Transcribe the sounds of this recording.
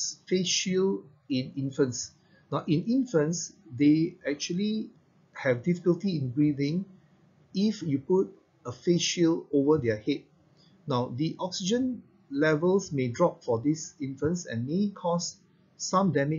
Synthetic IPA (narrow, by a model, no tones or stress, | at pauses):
sfeʃil | ĩnĩnfə̃ns | naʊʔĩnĩnfə̃nsdeɛk̚t͡ʃuəli | hɛvdifikəltiĩnɡɹivɪ̃ŋ | ifjuput̚ | əfeʃilovədəhet̚ | naʊdiʔɔksid͡ʒə̃n | lɛvəlsmedɹɔp̚fɔdisĩnfə̃nsɛ̰̃nmekʰɔs | sãmdɛmɪ